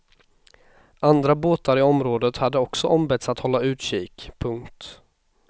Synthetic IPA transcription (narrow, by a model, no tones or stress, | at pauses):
ʔand̪ɾaboːt̪aɾɪɔmɾoːd̪ət̪had̪ːəɔksɔʔɔmbɛt̪sat̪hɔlːaʉ̟ːt̪ɕiːkpʰɵŋkt̪